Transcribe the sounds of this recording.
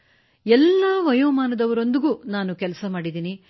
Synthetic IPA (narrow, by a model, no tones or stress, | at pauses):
ɛlːaːʋɐjɔːmaːnɐd̪ɐʋɐɾo̞nd̪iɡuːnaːnukɛlɐsɐmaːɽid̪iːni